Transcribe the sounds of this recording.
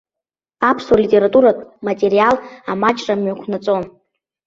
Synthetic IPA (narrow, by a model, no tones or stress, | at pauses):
apʰswalitʲʼeɾatʼuɾakʼmatʼe̞ɾijalamat͡ʃʼrʼamɥakʷʰnat͡sʼon